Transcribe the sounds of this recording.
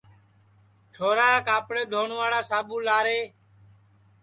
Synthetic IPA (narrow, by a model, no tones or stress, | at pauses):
ʈʰoːɾaːkaːpɽeːd̪ʱoːɳʋaːɽaːsaːbuːlaːɾeː